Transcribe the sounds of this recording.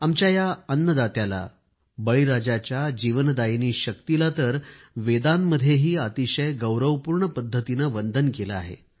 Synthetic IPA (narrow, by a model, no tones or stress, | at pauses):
amt͡ɕjajaənːəd̪at̪jala̰ | bəɭiɾad͡ʑat͡ɕjad͡ʑiʋənd̪ajeniːɕək̚t̪ilat̪əɾ | ʋed̪anːəd̪ʱjeɦiːat̪iɕəjɡəwɾəʋpuːɾɳəpəd̪ʱːət̪inaʋənd̪ʱənkelaa̰ɦḛ